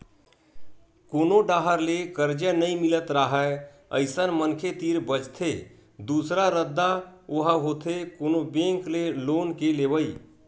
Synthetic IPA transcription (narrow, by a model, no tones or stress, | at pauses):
koːnoɖaːɦəɾlekəɾd͡ʒənəĩmɪlət̪ɾaɦɛ | ə̰ɪsənmənkʰet̪iːɾbəd͡ʒt̪ʰe | d̪uːsɾaɾəd̪ːaoɦəɦoːt̪ʰekoːnobẽŋkleloːnkeleːʋəi